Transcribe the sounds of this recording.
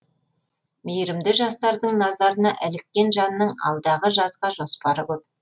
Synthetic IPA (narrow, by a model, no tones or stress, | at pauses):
mejɾɪmd̪ɪʒɑst̪ɑɾd̪əɴnɑzɑɾənɑʔælɪk̚t̪ʲːe̞nʒɑnənːəɴɑ̰lˠd̪ɑʁəʒɑzʁɑʒo̞spɑɾəkʲɵp̚